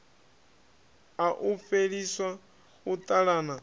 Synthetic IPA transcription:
aʔufeɺiswa | ut̪ʼaɺaːna

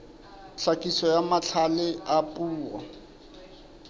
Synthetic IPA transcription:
ɬakʼisɔjamat͡ɬʰalɪapʼuːɔ̰

